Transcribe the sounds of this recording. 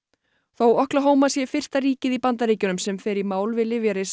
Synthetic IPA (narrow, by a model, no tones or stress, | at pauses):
θowɔhklaɦoːwmasjɛfɪr̥t̪aɾiːcɪðipant̪aɾiːcʏnʏmsɛmfɪɾɪɾmaːwlvɪlɪvjaɾɪs